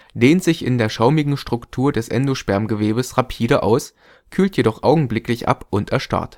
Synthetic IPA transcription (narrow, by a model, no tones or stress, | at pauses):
deːntz̥ɪçɪ̰ndeːɐʃaʊmɪɡŋ̩ʃtʁ̥ʊktʰuːɐdɛsʔɛ̰ndoʃpɛɐmɡəveːbəsʁapʰiːɾəʔa̰ʊs | kʰyːltʰjedɔχʔaʊɡŋ̩blɪklɪçʔa̰pʔʊntɛɐʃta̰ɐt